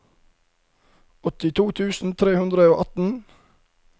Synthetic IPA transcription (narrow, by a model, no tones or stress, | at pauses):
ɔt̪ɪt̪ʰuːt̪ʰʉːsn̩t̪ʰɾeːhʉnd̪ɾəoːʔɑt̪n̩